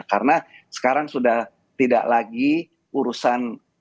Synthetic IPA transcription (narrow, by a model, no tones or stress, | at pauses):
kaɾnasə̥kaɾaŋsudah | t̪ida̰ʔlaɡi | uɾusan